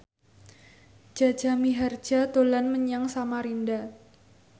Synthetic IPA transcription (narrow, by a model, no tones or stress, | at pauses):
d͡ʒ̥a̤̥d͡ʒ̥amiɦard͡ʒ̥at̪olanməɲaŋsamaɾinda